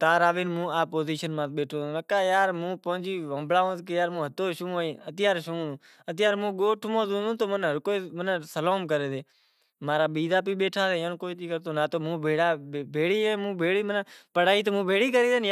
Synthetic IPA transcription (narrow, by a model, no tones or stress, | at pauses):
t̪aːɾaːʋiːnmũːaːpoːziːʃənmãːt̪̚ɓeːʈʰõːoːnəkːaːjaːɾmũːpəʊd͡ʒiːʋəmblaːõːt̪kejaːɾmũːɦət̪oːʃũːoːĩːət̪ɪjaːɾʃũː | ət̪ɪjaːɾmũːɡoːʈʰmõːd̪ũːd̪õːt̪oːmənɦəɾkoːiːmənsəloːmkəɾeːd̪eː | maːɾaːɓiːd̪aːpiːɓeːʈʰaːseːjə̃nkoːiːt̪iːkəɾt̪oːnaːt̪oːmũːbʱeːɽaːbʱeːɽiːemũːbʱeːɽiːmənpəɽaːiːt̪omũːbʱeːɽiːkəɾiːd̪enj